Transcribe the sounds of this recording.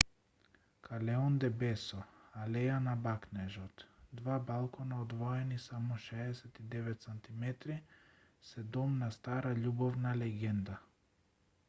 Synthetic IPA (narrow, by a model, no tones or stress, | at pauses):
kʰalɛɔnd̪ɛbɛsɔalɛjanabaknɛʒɔt̪d̪vabalˠkɔnaɔd̪vɔɛnisamɔʃɛːsɛt̪id̪ɛvɛt̪sant̪imɛt̪ɾi | sɛd̪ɔmnast̪aɾaʎubɔvnalɛɡɛnd̪a